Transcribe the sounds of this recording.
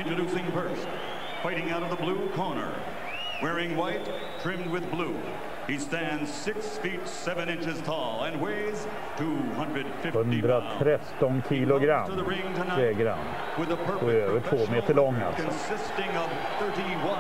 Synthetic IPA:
ɨ̃ntɹ̥ɨɾʉsɪ̃ŋbɜ˞s | faɪɾɪ̃ŋaʊɾʌvðəblukʰɔɹnə̰˞ | wɛɹɪ̃ŋwaɪtʰ | ɹ̥ɪ̃md̚wɨðblu | istæ̃ndz̥sɪksfitsɛvɨ̃nɪ̃nt͡ʃɨz̥tʰɔlˠə̃nweɪz̥ | tʰuhʌ̃ndɹɨd̥fɪfhɵndd̪ɾat̪ʰɾɛt̪ːɔnkʰiːlʊɡɾa̰mðəɹɪ̃ŋtʰənaɾeːɡɾa̰n | wɨðəpʰɜ˞ɔøːvəʈʰvoːmeːt̪əɭɔŋːa̰lsɔnsɪstɪ̃ŋʌv̥ | θɜ˞ɾiwʌ̃

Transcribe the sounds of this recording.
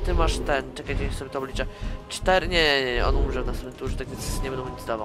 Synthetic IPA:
t̪ɘmaʂt̪ɛnt͡ʂɛkat͡ɕɛsɔbʲɛt̪ɔblʲit͡ʂɛt͡ʂt̪ɛɾɘɲʲɛɛɛɔ̰numʐɛvnasɛmɛnt̪uʐt̪ak̪ʲesɛzɲʲɛbɛnd̪ɔ̃ɲid̪d̪ava

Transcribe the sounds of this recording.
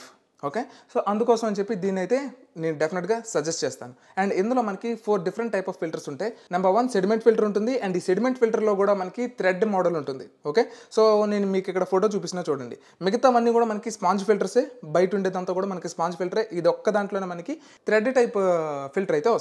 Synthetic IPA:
oːke̞ːsoːʔɐnd̪ukɔːsɐmɐnt͡ʃe̞pːid̪iːnɐjt̪e̞ː | ne̞ːnuɖepʰineʈɡaːsɐd͡ʒesʈt͡ʃeːst̪a̰ːnu | ɛɳɖind̪ulo̞ːmɐnɐkipʰoːɾɖifʰɐɾɐɳʈːɐjpɐfːilʈɐɾsuɳʈe̞ːnɐmbɐɾʋɐnse̞ɖimeɳʈpʰilʈɐɾuɳʈund̪iɐɳɖiːse̞ɖime̞ɳʈpʰilʈɐɾloːkuːɽaːmɐnɐkit̪ɾeɖmɔːɖɐluɳʈund̪i | oːkeːso̞ːne̞ːnumiːkikːɐɽɐpʰoːʈoːt͡ʃuːp̬isinaːt͡ʃuːɽɐɳɖi | miɡɐt̪amɐnːikuːɽaːmɐnɐkispaːnd͡ʒpʰilʈɐɾseːbɐjʈuɳɖeːd̪ɐnt̪aːkuːɽaːmɐnɐkispaːnd͡ʒpʰilʈɐɾeʔid̪ɔkːɐd̪aːɳʈlo̞ːneːmɐnɐki | t̪ɾeɖʈɐjppʰilʈɐɾɐjt̪eːʋɐ

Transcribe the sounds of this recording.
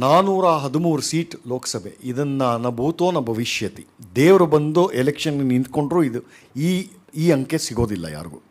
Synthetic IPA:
naːnuːɾaːɦɐd̪umuːɾusiːʈloːkɐ̥sɐbʱḛid̪ɐnːɐnɐbʱuːt̪oːnɐbʱɐʋiʃjɐt̪id̪eːʋɾubɐnd̪uʔelekʂɐnːɐnint̪̚ko̞ɳɖɾuːid̪u | iː | iːɐŋke̞siɡo̞ːd̪ilːɐ̰ja̰ːɾɡṵ

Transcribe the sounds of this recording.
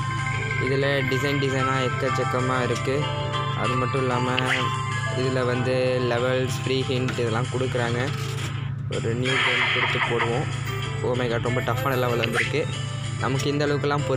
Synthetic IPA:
ɪðɪlɐɖɪsɐɪnɖɪsɐɪnaːɛkːɐt͡ʃːɛkːɐmaːɪɾɯkːɯ | ɐ̰ðɯmɐʈːʊ̃ɪlːaːmɐ | ɪðɯlɐʋɐnd̪ɯlɛʋɛlsfɪɾiːɦɪɳɖɪðɛlːãːkɔɽɯkːɯɾaːŋɡɐ | ʔɔ̰ɾɯnjuːʈeɳkɔɽɯt̪ːɯpoːɽɯʋõ | oːmɛɪkaːʈɾɔmbɐʈ̪ɐfːaːnɪlːaɡɐlɐʋɐnd̪ɪɾɯkːɯ | nɐmɐkːɯɪnd̪ɐɭɐʋɯkːɐlːãːpɔɾ

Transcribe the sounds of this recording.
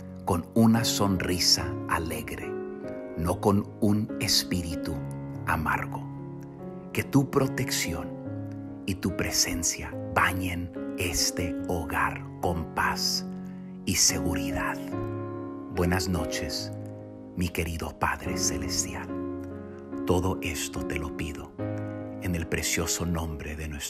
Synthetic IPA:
ko̞nunaso̞nrisaale̞ɣɾḛ | no̞ko̞n | unespiɾit̪ua̰ma̰ɾɣo̞ | ke̞t̪upɾo̞t̪e̞ksjo̞n | it̪upɾe̞se̞nsjaβaɲene̞st̪e̞oɣaɾ | ko̞mpas | ise̞ɣuɾiðað | bwenazno̞t͡ʃe̞s | mike̞ɾiðopaðɾeselest̪jal | t̪o̞ðo̞ʔest̪ot̪elo̞piðo̞ | ene̞lpɾesjo̞so̞nõmbɾeðenwes

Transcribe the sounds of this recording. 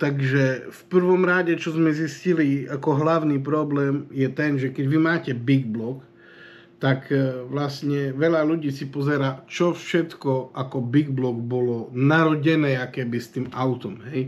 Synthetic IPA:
t̪aɡʒɛfpr̩ʋɔmɾaɟɛt͡ʃɔzmɛzisciliakɔɦlaʊniːpɾɔblɛːmjɛt̪ɛnʒɛkɛɟʋimaːcɛbiɡblɔk | t̪akʋlastɲɛʋɛʎaluɟiːsipɔzɛɾaːt͡ʃɔfʃɛt̪kɔakɔbiɡblɔɡbɔlɔnaɾɔɟɛnɛːakɛːbist̪iːmaʊt̪ɔmɦɛj

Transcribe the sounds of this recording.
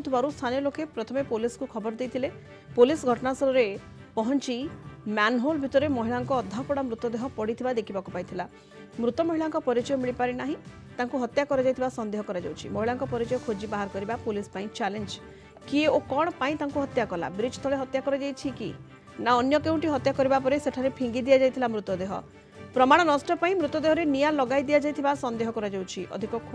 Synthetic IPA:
t̪ʰubaɾust̪ʰanijɔlokepɾɔt̪ʰɔmepoliskukʰɔbɔɾd̪ejt̪ʰile | polisɡʱɔʈɔnasɔɾɔɾe | pɔɦɔnt͡ʃimanɦolbʱit̪ɔɾemɔɦiɭaŋkɔːd̪ʱːapɔɽamɾut̪ɔd̪eɦɔpɔɽit̪ʰibad̪ekʰibakupajt̪ʰila | mɾut̪ɔmɔɦiɭaŋkɔpɔɾit͡ʃɔjɔmiɭipaɾinaɦĩ | t̪aŋkuɦɔt̪jakɔɾed͡ʒajt̪ʰibasɔnd̪eɦɔkɔɾad͡ʒa̰wt͡ʃʰḭmɔɦiɭaŋkɔpɔɾit͡ʃɔjɔkʰod͡ʒibaɦaɾɔkɔɾibapolispaĩt͡ʃalend͡ʒ | kieokɔɽ̃ɔpaĩt̪aŋkuɦɔt̪jakɔla̰bɾit͡ʃt̪ʰɔɭeɦɔt̪jakɔɾɔd͡ʒajt͡ʃʰikḭ | naɔnjɔkeũɳʈiɦɔt̪jakɔɾibapɔɾeseʈʰaɾepʰĩŋɡid̪ijad͡ʒajt̪ʰilamɾut̪ɔd̪eɦɔ̰ | pɾɔmaɽ̃ɔnɔsʈɔpaĩmɾut̪ɔd̪eɦɔɾenijalɔɡajd̪ijad͡ʒajt̪ʰibasɔnd̪eɦɔkɔɾad͡ʒawt͡ʃʰiʔɔ̰d̪ʱikɔkʰo

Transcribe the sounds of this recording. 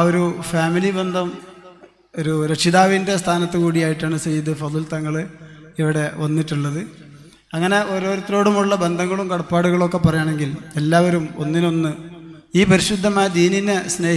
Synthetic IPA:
oɾufaːmilibe̞nd̪ʱɐm | o̞ɾuɾɐkɕiðaːʋinde̞st̪ʰaːnɐt̪ːɨkuːɽijaːjiʈːaːɳɨt͡ɕejːɐðɨfɐðult̪ɐŋːɐɭɨiʋiɽe̞ʋɐnːiʈːuɭːɐðɨ | ɐŋːɐne̞ʔo̞ɾo̞ːɾut̪ːro̞ːɽumuɭːɐbe̞nd̪ʱɐŋːɐɭumkɐɽɐpːaːɽuɣɐɭo̞kːe̞pːɐrɐjaːɳe̞ŋɡile̞lːaːʋɐɾumo̞̰nːino̞nːɨ | iːpɐɾiɕud̪ʱːɐmaːjɐd̪iːninesne̞ː

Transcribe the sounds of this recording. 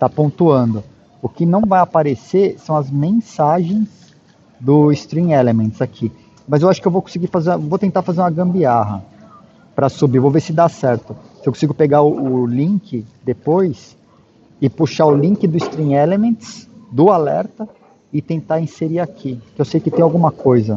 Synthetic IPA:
t̪apõnt̪uɐ̃nd̪ʊ | ʊkɪnɐ̃w̃vajapaɾesesɐ̃w̃ɐzmẽsaʒẽj̃s | d̪ʊɪst̪ɾĩelemẽnt̪zakʰi | mɐzewaʃʊkɪewvowkõsɪɡiɾfazẽwvowt̪ẽnt̪aɾfazeɾũmɐɡɐ̃mbiaɦɐ̰ | pɾɐsubiɾvowvesɪd̪asɛɾt̪ʊsɪewkõsiɡʊpeɡaʊʔʊlĩŋkɪd̪epojs | ɪpuʃaʊlĩkɪd̪ʊɪst̪ɾĩŋelemẽt̪sd̪ʊalɛ̰ɾt̪ɐ | ɪt̪ẽnt̪aĩseɾiakʰikɪewsejʊkɪt̪ẽj̃awɡũmɐkʰojzɐ

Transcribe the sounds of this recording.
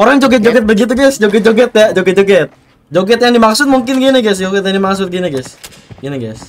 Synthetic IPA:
oɾaŋd͡ʒoɡɛt̪̚d͡ʒoɡɛt̪̚bəɡit̪uɡajsd͡ʒoɡɛt̪̚d͡ʒoɡɛt̪̚jad͡ʒoɡɛt̪̚d͡ʒoɡɛt̪̚ | d͡ʒoɡɛt̪jaŋdimaksʊt̪̚muŋkɪnɡiniɡajsd͡ʒoɡɛt̪jaŋdimaksʊt̪̚ɡiniɡajs | ɡiniɡajs

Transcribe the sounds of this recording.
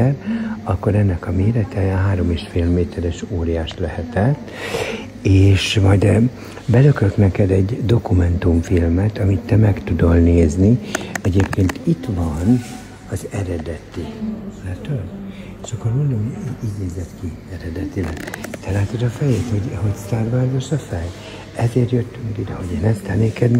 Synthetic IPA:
ɛrɒkːo̞ɾɛnːɛkɒmeːɾɛt̪ʰɛɦaːɾo̞meːʃfeːlmeːt̪ʰɛɾɛʃoːɾijaːʃlɛhɛt̪ɛt̪ː | eːʃmɒjd̪ɛ | bɛløkøknɛkɛd̪ɛɟd̪o̞kumɛnt̪uɱfilmɛt̪ɒmit̪ːɛmɛkt̪ud̪o̞lneːzniɛɟeːpkeːnt̪it̪ʋɒn | ɒzɛɾɛd̪ɛt̪ilɛt̪øeʃɒkːormond̪omiiːɟneːzːɛt̪kiɛɾɛd̪ɛt̪ilɛt̪ɛlaːt̪od̪ɒfɛjeːt̪ho̞ɟho̞ɟst̪aːrbarɡoʃɒfɛj | ɛzeːɾjøt̪ːyŋkid̪ɛho̞ɟeːnɛst̪ɛneːkɛd̪

